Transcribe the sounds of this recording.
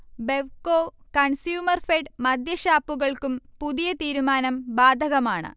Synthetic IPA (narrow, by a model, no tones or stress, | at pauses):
be̞ʋkoːkɐɳsjuːmɐrfeɖmɐd̪ʱjɐɕaːpːuɣɐɭkumpuðijɐt̪iːɾumaːnɐmbaːd̪ʱɐɣɐmaːɳɨ̰